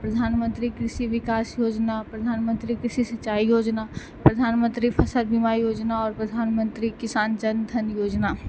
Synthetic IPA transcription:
pɾɐd̪ʱaːnmə̃nt̪ɾikɾɪʃiʋɪkaːsjoːd͡ʒnapɾɐd̪ʱaːnmə̃nt̪ɾikɾɪʃisɐʃaːijoːd͡ʒna | pɾɐd̪ʱaːnmə̃nt̪ɾipʰɐsəlbimaːijoːd͡ʒnaɔːɾpɾɐd̪ʱaːnmə̃nt̪ɾikɪsaːnd͡ʒɐnd̪ʱɐnjoːd͡ʒnaː

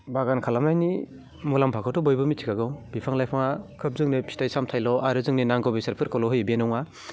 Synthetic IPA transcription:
baɡankʰalamajni | mulampʰakʰɯtɔbɔjbɯmitʰikaɡɯwbipʰaŋlajpʰaŋakʰɯp̚zɯŋnipʰi̥tajsamtʰajlɔʔaɾɯzɯŋninaŋɡɔwbisaɾpʰɯɾkɔlɔɦɯjbienɔŋa

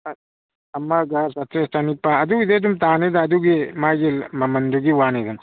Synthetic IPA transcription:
ɐmːaɡaːsɐt̪ʰest̪anipaɐd̪uid̪ed̪umt̪aːned̪ad̪uɡemaɡilmɐmɐnd̪uɡiwaːned̪ɐm

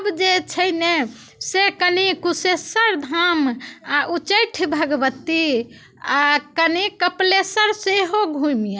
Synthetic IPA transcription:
bd͡ʒet͡ʃʰəjne | sekənikusesəɾd̪ʱamaʔut͡ʃəjʈʰbʱəɡbət̪ːi | akənikəplesəɾseɦoɡʱujmija

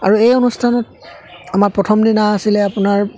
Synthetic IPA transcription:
a̰ɹuejonustʰanɔt̚amaɹpɹɔtʰɔmdinaːsilɛapʊnaɹ

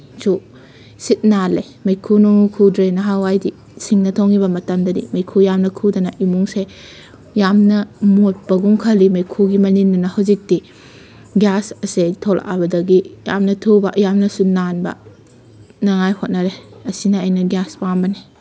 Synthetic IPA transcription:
su | sit̚nale | mɐjkʰunoŋukʰudɾenɐɦawajdi | siŋnɐtʰoŋibɐmɐtɐmdɐdḭmɐjkʰujamnɐkʰudɐnɐʔimuŋse | jamnɐmot̚pɐɡuŋkʰɐlimɐjkʰuɡimɐnindunɐhɐwzik̚ti | ɡjasɐsetʰola̰a̰bɐdɐɡija̰mnɐtʰubɐʔjamnɐsunanbɐ̰ | nɐŋajhot̚nɐɾeɐsinɐːjnɐɡjaspambɐni

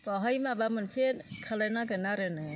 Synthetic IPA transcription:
bɔɦɔjmabamɯnsekʰalanaɡɯnaɾɯnɯ

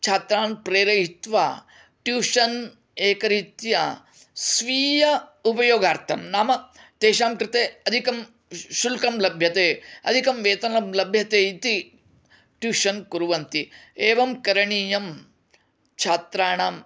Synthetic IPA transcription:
t͡ʃʰaːt̪ɾaːɳpɾeːɾɐɦit̪ʋa̰ː | ʈjuːʃɐn | eːkɐɾit̪jɐ̰ | sʋiːjɐupɐjoːɡaːɾt̪ʰɐmnaːmɐt̪eːʃaːmkɾɪt̪eːɐd̪ʱikɐm | ʃulkɐmlɐbʱjɐt̪eːɐ̰d̪ʱikɐmʋeːt̪ɐnɐmlɐbʱjɐt̪eːit̪i | ʈjuːʃɐnkuɾuʋɐnt̪ieːʋɐmkɐɾɐɳiːjɐm | t͡ʃʰaːt̪ɾaːɳam

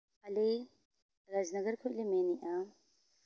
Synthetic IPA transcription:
ɐle | ɾaznɐɡɐɾkʰulemeːniʔã

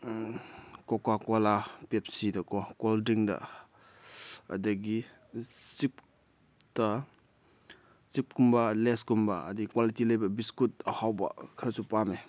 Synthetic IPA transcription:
kɔkakɔlapep̚sidɐkɔkɔldiŋdɐ̰ | ɐ̰dɐɡi | sip̚ | tɐ | sip̚kumbaleskumba̰ːdikwalitilɐjbɐbiskut̚ɐhawbɐ̰kʰɾɐsupame

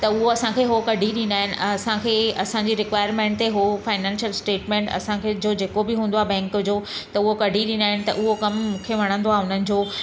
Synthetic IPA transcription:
t̪ɐʊɦoɐsãkʰeɦokɐɖʱiɗĩnd̪aːɦɪnɪ̰̆ɐsãkʰeːɐsãɲd͡ʑiɾɪkʋaːɪəɾmẽːɳʈ̚t̪eɦofaːɪnãːnʃəlsʈeːʈmẽːɳʈɐ̰sãkʰed͡ʑoːd͡ʑeːkobɪɦũːn̆d̪oaːbɛ̃ːŋkd͡ʑoːt̪ɐʊɦokɐɖʱiɗĩːnd̪aːɦɪnɪ̆t̪ɐ̰ʔʊɦokɐmmũːkʰeʋɐɽ̃ə̃nd̪oaːʊn̤ənɪ̆d͡ʑoː

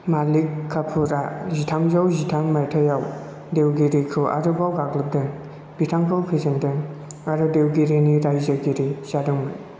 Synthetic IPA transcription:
malikʰːapʰuɾazitʰamzawzitʰamːajtʰajaw | dewɡiɾikʰɾɯʔa̰ɾɯbawɡaklɯp̚dɯŋ | b̥itʰaŋkʰawpʰizandɯŋaɾɯdewɡiɾeniɾajzaɡiɾisadɯŋmaj

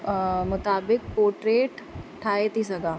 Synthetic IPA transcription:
mʊt̪aːbɪk̚poːʈɾeːʈʈʰaːit̪isɐɡaː

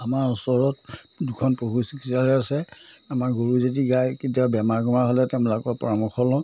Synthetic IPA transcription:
amaɹusɔɹɔt̚dukʰɔnpoɦusikʰisalɛasɛamaɹɡoɹuzediɡajkitiabɛmaɹɡɔmaɦɔlɛtɛʊ̃lɔkɔpɔɹamɔkʰɔlɔ̃

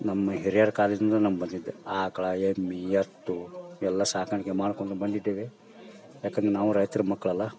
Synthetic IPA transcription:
nɐmːɐɦiɾijaːɾkaːlid͡ʒund̪ɐnɐmbɐnd̪id̪ːeaːkɐɭɐemːijɐt̪ːuɛlːɐsaːkaɳikːemaːɽkoɳʈ̪ubɐnd̪id̪ːeːʋe | jaːkɐnd̪ɾenaːʋuɾɐjt̪ɾɐmɐkːɐɭɐlːɐ

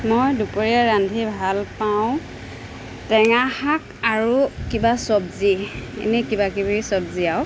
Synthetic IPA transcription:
mojdupoɹiaɹandʱibʱalpaʊ̃ | tɛŋahakaɹukibasɔbziḛnɛkibakibiɹisɔbziaw

